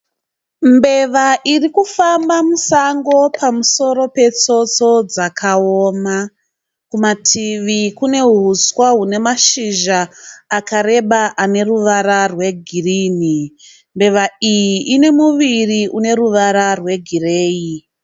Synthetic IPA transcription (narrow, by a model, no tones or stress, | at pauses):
mbe̞ʋaʔirikufambamusaŋɡo̞pʰamuso̞ɾo̞pe̞t͡so̞t͡so̞d͡zakʰaoːma | kumatʰiʋikune̞ɦuswaɦune̞maʃiʒaːkaɾe̞ɓaʔane̞ruʋaɾarwe̞ɡʱiriːni | mbe̞ʋaijiʔine̞muʋiriʔune̞ruʋaɾarwe̞ɡʱireːi